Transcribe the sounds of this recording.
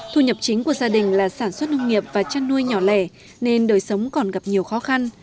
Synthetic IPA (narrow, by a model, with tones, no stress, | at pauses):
t̪ʰu˧ɲə˨˩p̚t͡ɕï˨˦ŋku˧˩əzaː˧ɗï˨˩ŋ̟laː˨˩saː˧˩nswə˦˥t̚nə˧wŋ͡mŋi˨˩əp̚vaː˨˩t͡ɕaː˧nːu˧əjɲɔ˧˩lɛ̰˧˩ | ne˧nɗoː˨˩jsə˨˦wŋ͡mkɔ˨˩nɣa˨˩p̚ɲi˨˩əwxɔ˨˦xa˧n